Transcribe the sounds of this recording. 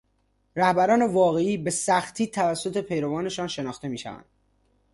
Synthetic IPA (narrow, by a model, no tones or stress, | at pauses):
ɾæhbæɾɒːne̞vɒːɣe̞iːbe̞sæxt̪ʰiːt̪ʰævæsːo̞t̪ʰe̞pʰe̞jɾovɒːne̞ʃɒːnʃe̞nɒːxt̪e̞miːʃæ̰væ̰nd̪̥